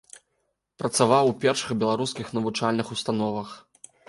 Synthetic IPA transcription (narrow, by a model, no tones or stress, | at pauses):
pɾɐt̪savawpʲɛrʂɨxbʲɛlˠaɾuskʲixnɐvut͡ʂalʲnɨxust̪anɔvɐx